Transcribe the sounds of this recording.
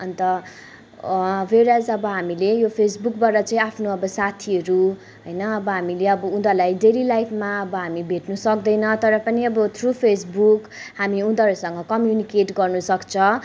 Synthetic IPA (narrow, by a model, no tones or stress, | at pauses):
ʌnt̪ʌ | weɾjad͡zʌbʌɦamilejopʰesbukbaɾʌt͡saĩapʰnoʌbʌsat̪ʰiʌɾu | ɦʌjnʌːbʌɦamileʌbʌũnd̪ʌlajɖeɾilajpʰmaʌbʌɦamibʱeʈnusʌkd̪ʌjnʌt̪ʌɾʌpʌniʌbʌt̪ʰrupʰesbuk | hamiũd̪ʌɾusʌŋɡʌkʌmjunikeʈɡʌrnusʌkt͡sʰʌ